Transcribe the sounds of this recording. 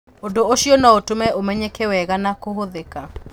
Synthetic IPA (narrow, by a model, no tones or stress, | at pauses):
ondooʃiɔnɔotomɛʔomɛɲekɛwɛɣanakoɦoðeka